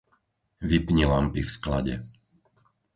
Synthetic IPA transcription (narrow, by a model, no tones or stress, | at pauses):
ʋipɲilampifskla̰ɟɛ̰